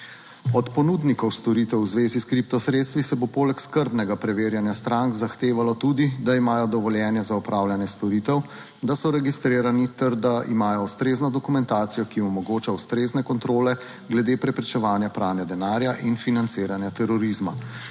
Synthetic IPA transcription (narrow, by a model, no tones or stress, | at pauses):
ɔt̪pɔnuːd̪nikɔwst̪ɔɾit̪ɛwzʋeːziskɾip̚t̪ɔsɾeːt̪st̪ʋisɛbopoːlɛkskəɾbnɛɡapɾɛʋeːɾjanjast̪ɾaŋkzaxt̪eːʋalɔt̪uːd̪id̪aimaːjɔd̪ɔʋɔljɛːnjɛzaupɾaːwljanjɛst̪ɔɾiːt̪ɛw | d̪asɔɾɛɡist̪ɾeːɾanit̪ɛɾd̪aimaːjɔust̪ɾeːznɔd̪ɔkumɛnt̪aːt̪sijɔkiɔmɔɡoːt͡ʃawst̪ɾeːznɛkɔnt̪ɾoːlɛ | ɡlɛd̪eːpɾɛpɾɛt͡ʃɛʋaːnjapɾaːwnjɛd̪ɛnaːɾjaʔinfinant̪seːɾanjat̪ɛɾɔɾizma